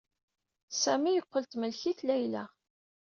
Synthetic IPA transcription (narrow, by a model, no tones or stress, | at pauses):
sæmijəqʷːəlt̪məlçiθlæjlæ